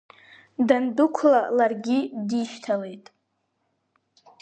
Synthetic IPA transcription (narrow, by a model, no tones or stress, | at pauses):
dandʊkʷʰlalarɡʲidiʃtʰalejtʼ